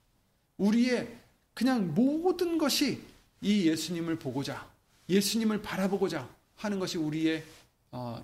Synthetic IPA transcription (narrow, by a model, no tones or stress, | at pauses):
uɾie̞ | kɯɲaŋmodɯnɡʌɕʰi | ije̞sʰuɲimɯɭpoɡod͡ʑa | je̞sʰuɲimɯɭpaɾaboɡod͡ʑa | hanɯnɡʌɕʰiuɾie̞ | ʌ̰